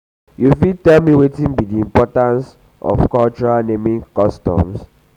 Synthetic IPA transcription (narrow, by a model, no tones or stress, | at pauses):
jufitɛlmiwetĩnbidiĩmpɔtãns | ʔɔ̰fkalt͡ʃɔɹanẽmĩŋkɔstɔ̰̃ms